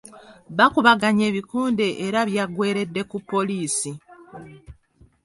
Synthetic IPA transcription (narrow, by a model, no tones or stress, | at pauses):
βakuβaɡaɲe̞ːβikuːnde̞ʔeɾaβjaɡwe̞ːɾe̞dːe̞kupːo̞liːsi